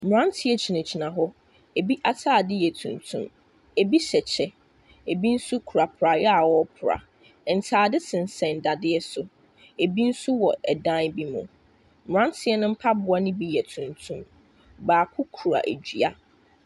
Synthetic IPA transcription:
m̩˨ɾã˦n˦tʰɪ˦ɛ˦t͡ɕʰi˨nã˨t͡ɕʰi˨nã˨ɦɔ˦ | e˨bi˦ʔa˨tʰaː˦˨dɪ˦jɛ˨tʰṵ̃˨ntʰṵ̃˦m | e˨bi˦ɕɛ˨t͡ɕʰɛ˨ | e˨bi˦n̩˦su˦kʰu˨ɾa˨pʰʊ˨ɾa˨jɛ˦a˨wɔ˦pʰʊ˨ɾa̰˨ | n̩˨tʰaː˨dɪ˦sʰɪ̃˨n̩˨sɛ̃˨n̩˨da˨dɪ˦ɛ˦sʊ˨ | e˨bi˦n̩˦su˦wɔ˨ɛ˨dã˦n˦bi˦mṵ̃˨ | m˨ã˦n˦tʰɪ˦ɛ˦nʊ̃˦m̩˦pʰa˦bʊ˦a˦nɪ̃˦bi˦jɛ˨tʰũ˨ntʰũ˦m | baː˨kʰʊ˦kʰu˨ɾa̰˨ʔe˨d͡ʑᶣi˨a̰˦

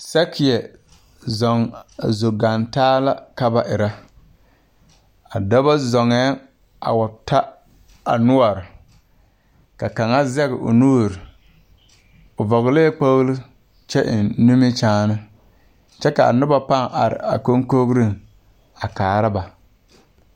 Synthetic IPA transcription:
sɛ˦kʰɪ˨jɛ˨ | zɔ˨ŋa˨zo˨ɡa˨ntaː˦la˦ka˦ba˨ʔɪ˨ɾa˦ | a˨da˦ba˦zɔ˨ŋɛː˦ | a̰˨wa˨tʰa˦ | a̰˨nʊ˦a˨ɾɪ˨ | ka˨ka˨ŋa˦zɛ˦ɣɪ˨ʔʊ̰˨nuː˦˨ɾɪ˨ | ʊ˨vɔ˨ɣleː˦k͡po˦ɣlɨ˦ | t͡ʃɛ˦ʔɪ˨nnu˦mi˦t͡ʃaː˦nɨ˦ | t͡ʃɛ˦ka˨a̰˨nʊ˦ba˦pa˦ŋʔa˨ɾɪ̰˨a˨ko˦ŋ˦ko˦ɣɾi˦ŋ | a˨kaː˨ɾa˦ba˨

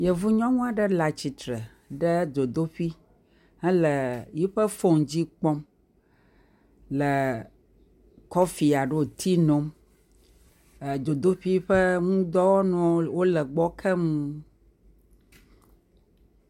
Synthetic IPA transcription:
jɛ˨vu˦ɲɔ̃˦ŋũ˦a˨ɖə˦la˨t͡ɕi˨t̪ɾɛ˨ | ɖɛ˦d̪o˨d̪o˦ɸi˦ | hɛ˦lə˨ji˦ɸə˦fo˦ŋ˨d͡ʑi˦k͡pɔ˦m | lə˨ | kɔ˦fi˨a˨ɖe˦o˨t̪ʰi˦nõ˦m˨ | d̪o˨d̪o˦ɸi˦ɸə˦ŋũ˦d̪ɔ˦wɔ˦nɔ̃˨˦wo˦lə˨ɡ͡bɔ˦kʰɛ˦mũ˦

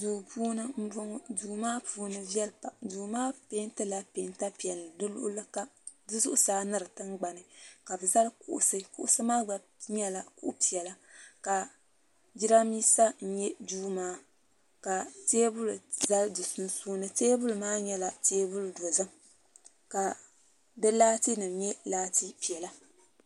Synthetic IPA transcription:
duː˨puː˦nɨ˦m̩˦bo˦ŋ˦duː˨maː˦puː˦nɨ˦vɛ˦lpa˨duː˨maː˦pe˦ntɨ˦la˦pe˨˦nta˦pi˨ɛ˨lːɨ˨dɨ˦lʊ̰˦ʔlɨ˦ka˦dɨ˦zʊ̰˦ʔʊ˦saː˨˦nɨ˦ɾɨ˨tɨ˦ŋɡ͡ba˨nɨ˨ka˨bɨ˨za˦lkṵ˨ʔʊ̰˨sɨ˦kṵ˦ʔʊ˦sɨ˦maː˦ɡ͡ba˨ | ɲɛ˦la˨kṵ˦ʔpi˨ɛ˨la˦ka˨ | d͡ʒi˦ɾa˦miː˦sa˦n̩˦ɲɛ˦duː˦maː˦ | ka˨teː˦bʊ˦lza˦ldɨ˨su˦nsuː˦nɨ˦teː˦bʊ˦lɨ˨maː˦ɲɛ˦la˨teː˦bʊ˦ldo˨zɨ˦m | ka˨ | bɨ˦laː˦ti˦nɨ˨m˦ɲɛ˦laː˦ti˦pi˨ɛ˨la˦

